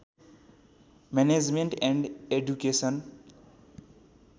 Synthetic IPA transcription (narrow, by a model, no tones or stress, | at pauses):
mɛned͡zmeɳʈɛ̃ɳɖeɖjukesʌn